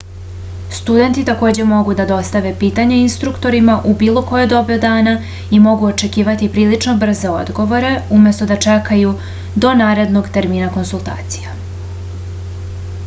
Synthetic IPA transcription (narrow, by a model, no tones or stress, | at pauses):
st̪ud̪e̞nt̪it̪ako̞ːd͡ʑe̞mo̞ɡud̪ad̪o̞st̪aʋe̞piːt̪aɲeinst̪ɾukt̪o̞ɾimaʔubiːlˠo̞ko̞jed̪o̞biod̪aːna | imo̞ɡuo̞t͡ʃe̞kiːʋat̪ipɾiːlit͡ʂno̞br̩ze̞o̞̰d̪ɡo̞ʋo̞ɾe̞umje̞st̪o̞d̪at͡ʂekaju | d̪o̞naːɾe̞d̪no̞ɡt̪e̞ɾmiːnako̞nsulˠt̪a̰ːt̪si̥ja